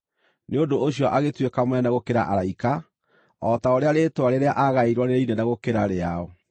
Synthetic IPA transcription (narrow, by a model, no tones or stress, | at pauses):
neondooɕiɔʔaɣetwekamwanaɣokeɾaʔaɾaika | ɔtaoɾeaɾetwaɾeɾeaʔaɣaiɾwaneɾeinɛnaɣokeɾaɾeaɔ